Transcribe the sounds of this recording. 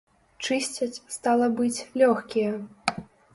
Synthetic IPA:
t͡ʂɨsʲt͡sʲɐt͡sʲst̪alˠɐbɨt͡sʲlʲɔxkʲijɐ

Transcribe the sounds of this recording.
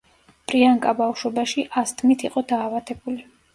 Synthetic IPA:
pʼɾiaŋkʼabafʃwɔbaʃiʔast̪ʰmit̪ʰiqʼɔd̪aːvat̪ʰɛbuli

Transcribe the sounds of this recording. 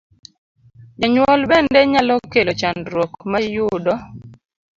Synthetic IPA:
ɲaɲwɔlbɛndɛɲalɔkelot͡ʃandɾwɔkmajʊdɔ

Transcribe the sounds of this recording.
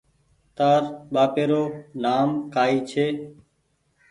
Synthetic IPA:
t̪aːɾɓaːpeːɾoːnaːmkaːiːt͡ʃʰeː

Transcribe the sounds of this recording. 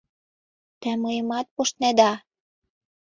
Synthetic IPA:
t̪ĕmɤjəmɑt̪̚poʃt̪̚ned̪ɑ

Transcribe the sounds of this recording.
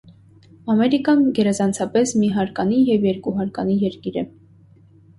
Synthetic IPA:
ɑmɛɾikɑnɡɛɾɛzɑnt͡sʰɑpɛsmiɦɑɾkɑnijɛvjɛɾkuɦɑɾkɑnijɛɾkiɾɛ

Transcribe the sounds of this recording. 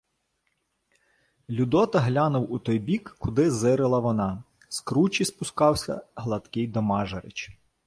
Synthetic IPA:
lʲud̪ɔt̪ɐɦlʲɑnʊwut̪ɔjbʲikːʊd̪ɪzɪɾelˠɐʋɔnɑ | skɾut͡ʃʲispʊskɑwsʲɐ̰ɦlˠɐt̪kɪjd̪ɔmɑʒɐɾɪt͡ʃ

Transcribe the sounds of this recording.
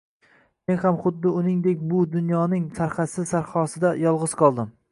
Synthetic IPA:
me̞nhamχʊd̪ːɪʊnɪŋd̪ekʲbʊd̪ʊnjɒnɪŋt̪ʰaɾχasɪzsaɾχɒsɪd̪ajɒlˠʁɨz̥qʰɒlˠd̪ɪm

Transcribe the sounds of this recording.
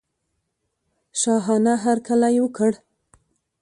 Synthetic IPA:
ʃɑɦɑnaɦaɾkalajewəkəɽ

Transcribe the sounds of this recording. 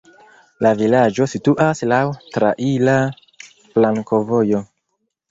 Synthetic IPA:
lavilad͡ʒo̞situʔaslawtɾaʔila | plaŋko̞vo̞jo̞

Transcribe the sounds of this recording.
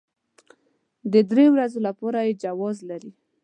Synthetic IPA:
d̪əd̪ɾewɾazolapɑɾajed͡ʒawɑzlaɾi

